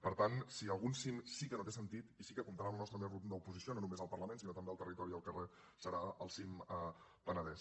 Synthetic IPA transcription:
pəɾt̪ansiəlˠɣunsimsikənot̪esənt̪it̪isikəkumt̪əɾalˠnɔst̪ɾəmerut̪d̪əupuzisiononumezəlˠpərləmensinot̪əmbeəlˠt̪ərit̪ɔɾiəlˠkəre | səɾaəlˠsimə | pənəðɛs

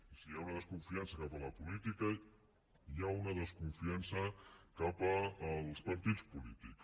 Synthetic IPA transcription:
sijaunəðəskuɱfiansəkapələpulit̪ikə | jaunəðəskuɱfiansəkapəːlˠspəɾt̪it͡spulit̪iks

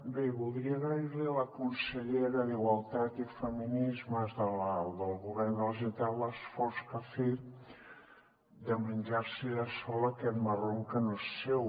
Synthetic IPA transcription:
beβulˠd̪ɾiəɣaɾliləkunsəʎeɾəðiɣwalˠt̪at̪ifəminizməzðəld̪əlˠɣuβɛrnd̪əlˠʒənt̪alləsfɔɾskəfe | d̪əmənʲʒaɾsiðasɔləkɛt̪məroŋkənoesew

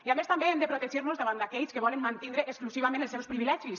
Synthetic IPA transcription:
iamest̪ambeemd̪epɾot̪eʒiɾnuzðaβand̪akɛʎskeβ̞ɔlenmãnt̪ind̪ɾeːksklusiβamẽnelˠsɛwspɾiβilɛʒis

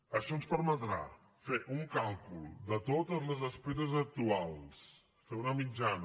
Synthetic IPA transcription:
əʃɔnspəɾmət̪ɾa̰ | feʔuŋkalˠkulˠd̪ət̪ot̪əzləzəspeɾəzək̚t̪ualˠs | feunəmid͡ʒan

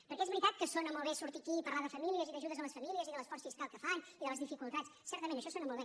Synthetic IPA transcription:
pəɾkɛezβəɾit̪at̪̚kəsonəmolˠβesuɾt̪ikiːpəɾlaðəfəmiliəziðəʒuðəzəmləsfəmiliəziðələsfɔsfiskalˠkəfaniðələzðifikulˠt̪at͡ssɛɾt̪əmẽnəʃɔsonəmolˠβe

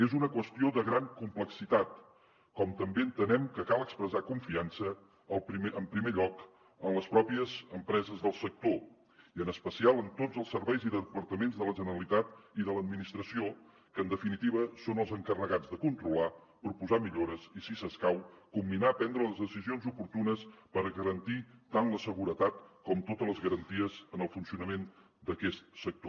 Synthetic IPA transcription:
ezunəkwəst̪ioðəɣɾaŋkumpləksit̪at̪ | kɔmt̪əmbeənt̪ənɛmkəkalˠəkspɾəzakuɱfiansəː | lˠəmpɾimeʎɔk | ənləspɾɔpiəzəmpɾɛzəzðəlˠsək̚t̪o | iənəspəsialˠənt̪od͡zəlˠsəɾβɛjziðəðəpəɾt̪əmenzðələʒənəɾəlit̪at̪iðələd̪̚minist̪ɾəsio | kənd̪əfinit̪iβ̞əsonəlˠzəŋkərəɣad͡zðəkunt̪ɾula | pɾupuzamiʎoɾəzisisəskawkumbinaəpɛnd̪ɾələzðəsizionzupuɾt̪unəspəɾɣəɾənt̪it̪anləsəɣuɾət̪at̪kɔmt̪ot̪ələzɣəɾənt̪iəzənəlˠfunsiunəmen | d̪əkɛst̪̚sək̚t̪o

